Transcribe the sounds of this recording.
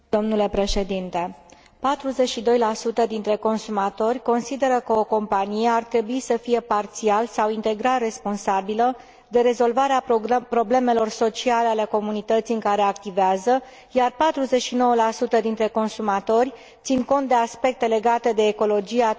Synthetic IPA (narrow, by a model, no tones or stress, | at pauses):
d̪̥o̞mnule̞pɾe̞ʃe̞d̪int̪e̞ | pat̪ɾuze̞t͡ʃʃid̪o̞jlasut̪əd̪int̪ɾe̞ko̞nsumat̪o̞rʲko̞nsid̪e̞ɾəkəoko̞mpanijeart̪ɾe̞buisəfije̞part̪sialsawint̪e̞ɡɾare̞spo̞nsabilə | d̪e̞ɾe̞zo̞lvaɾeapɾo̞ble̞me̞lo̞rso̞t͡ʃialeale̞ko̞munit̪ət̪siɨŋkaɾe̞akt̪iveazə | jarpat̪ɾuze̞t͡ʃʃino̞wəlasut̪əd̪int̪ɾe̞ko̞nsumat̪o̞rʲ | t̪sinko̞nt̪d̪e̞aspe̞k̚t̪e̞le̞ɡat̪e̞d̪e̞ːko̞lo̞d͡ʒia